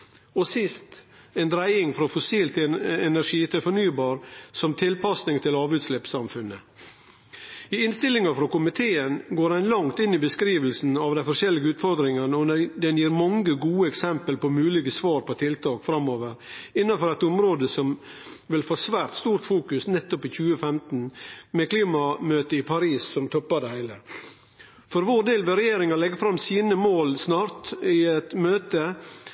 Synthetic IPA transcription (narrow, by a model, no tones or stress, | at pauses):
ɔsɪst̪ | ɛnd̪ɾæɪɪŋfɾɑfʊsiːlt̪ʰɪɛnæʂiːt̪ʰɪlfɔɳyːbɑːɾsɔmt̪ʰɪlpɑsnɪŋt̪ʰɪlɑːʋʉːt̪slɛpsɑmfʉnːə | ɪɪnst̪ɪlɪŋɑfɾɑkʊmɪt̪ʰeːənɡoːɾæɪnlɑŋt̪ɪnːɪbəskɾiːʋəlsn̩ɑʋd̪æɪfɔɾʂɛlːɪɡəʉːt̪fɔɾd̪ɾɪŋɑnəɔnɛd̪ɛnjiːɾmɑŋəɡuːəɛksɛmpəlpɔmʉːlɪɡəsʋɑːɾpɔt̪ʰɪlt̪ʰɑːkfɾɑmːoːʋəɾɪnːɑnfɔɾɛt̪ʊmɾoːd̪əsɔmʋɪlfoːsʋæːɾt̪st̪uːɾt̪fuːkʉsnɛt̪ːɔpɪçʉːəfɛmt̪n̩mɛkliːmɑmøːt̪əɪpʰɑɾiːssɔmt̪ʰɔpːɑd̪ɛhæɪlə | fɔɾʋoːɾd̪eːlʋɛɾɛjeːɾɪŋɑlɛɡːəfɾɑmsiːnəmoːlsnɑːɾt̪ɪɛt̪møːt̪ə